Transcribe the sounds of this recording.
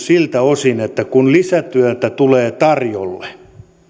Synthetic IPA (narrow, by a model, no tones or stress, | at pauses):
silt̪æosinet̪ːækunlisæt̪yæt̪æt̪uleːt̪ɑrjolːe